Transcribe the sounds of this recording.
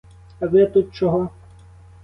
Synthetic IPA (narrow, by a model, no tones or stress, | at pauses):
ɐʋɪt̪ut̪̚t͡ʃɔɦɔ